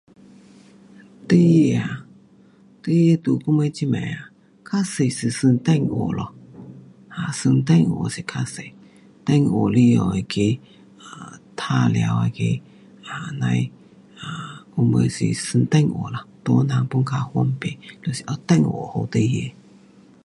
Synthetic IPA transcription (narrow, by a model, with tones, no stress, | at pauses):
t̪ə˦je˧a˨ | t̪ə˦je˧t̪u˨ku˦mə˧t͡ɕi˦mɛ˨a˨ | kʰa˦se˨jsi˨sɨ˧nt̪ɛ˥˨ŋo̰˨lɔ˨ | a˨sɨ˧ŋt̪ɛ˥˨ŋo̰˨si˨kʰa˦˧se˨ | t̪ɛ˥˨ŋo˨li˦jɔ̰˧˨e˨kʰe˧ | a˨t̪ʰa˧˨le˧a̰˧wa˧ke˧ | a˨na˧j | a˨ku˧˦mə˧sḭ˨sɨ˧ŋt̪ɛ˥˧˨ŋo̰˨la˨t̪o˧˦na˧˨ŋpu˦ŋkʰa˧hwɔ˦mpe˨lo˧˨si˧ʔɔ˧t̪ɛ˥˧˨ŋo̰˨ho˧t̪ə˧˦je˧˨